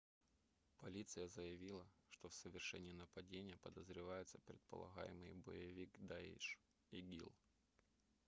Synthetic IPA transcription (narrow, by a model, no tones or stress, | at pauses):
pɐlʲit̪sɨjəzəjɪvʲilˠəʂt̪ofsəvʲɪrʂɛnʲɪnəpɐdʲenʲɪjəpəd̪əzɾʲɪvajʊt̪səpɾʲɪt̪̚pə̰lˠɐ̰ɣa̰jɪ̰mɨjəbə̰jɪvʲikd̪aḭʂ | iɡʲḭlˠ